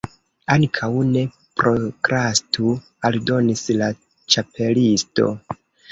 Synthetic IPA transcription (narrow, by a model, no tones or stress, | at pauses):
aŋkʰawne̞ | pɾo̞kɾastʰu | aldo̞nisla | t͡ʃapʰe̞listo̞̰